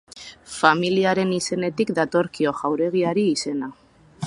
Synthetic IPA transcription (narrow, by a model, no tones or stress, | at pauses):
familiaɾe̞nise̞ne̞t̪ikd̪at̪o̞ɾkio̞ʝawɾe̞ɣ̞iaɾiːse̞na